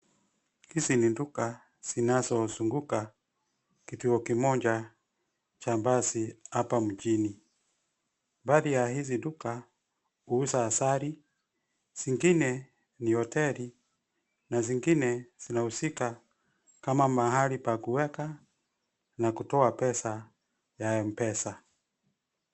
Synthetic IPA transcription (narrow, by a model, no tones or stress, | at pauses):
hisininduka | sinazɔzuŋɡuka | kituɔkimɔɲd͡ʒa | t͡ʃambasiapam̩d͡ʒini | mbaːðijaɦizinduka | uusaːsaɾi | z̥iŋɡinɛ | niɔtɛli | naziŋɡinɛz̥inahusika | kamamaɦalipakuwɛka | nakutɔapɛsa | jaɛm̩pɛsa